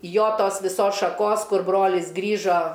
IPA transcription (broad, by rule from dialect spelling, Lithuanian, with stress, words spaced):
ˈjoː ˈtoːs ʋʲɪˈsoːs ʃɐˈkoːs ˈkʊr ˈbroːlʲɪs ˈɡrʲiːʒoː